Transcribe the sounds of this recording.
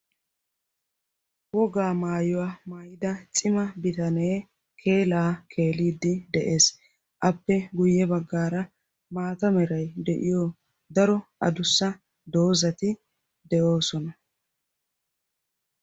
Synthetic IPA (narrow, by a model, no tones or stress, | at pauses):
wɔɡaːmaːjɔwaːmaːjɪd̪ɐt͡sʼɪmɐbɪt̪ɐneː | kʰe̞ːlaːkʰe̞ːliːd̪ːɪd̪ɛʔe̞ːs | ʔɐpːɛɡʊjːɛbɐɡːaːɾɐ | maːt̪ɐmɛɾɐjd̪ɛʔɪ̰jɔ | d̪ɐɾɔʔɐ̰d̪ʊsːɐ | d̪o̞ːzɐt̪ɪ | d̪ɛʔo̞ːsɔnɐ